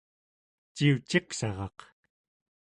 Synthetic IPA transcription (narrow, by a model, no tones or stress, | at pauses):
t͡ʃiut͡ʃeqsɑʁɑq